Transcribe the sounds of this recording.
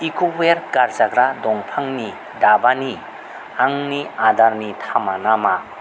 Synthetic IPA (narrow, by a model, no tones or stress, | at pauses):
ikʰobeɾkaɾzaɡɾadɔŋpʰaŋni | dabani | aŋniadaɾnitʰamanama